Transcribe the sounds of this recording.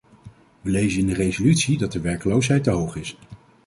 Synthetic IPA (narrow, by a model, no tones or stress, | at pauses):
ʋəlejzənɪndərejzolytsidɑt̚dəʋɛɹkəlowsɦɛjtəɦowχɪs